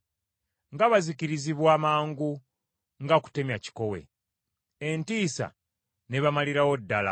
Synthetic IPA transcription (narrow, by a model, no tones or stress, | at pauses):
ŋɡaβaziciɾiziβwaːmaːŋɡu | ŋɡaku̥te̞mjaci̥ko̞we̞̰ | entiːsa̰ | neβamaliɾawo̞dːala̰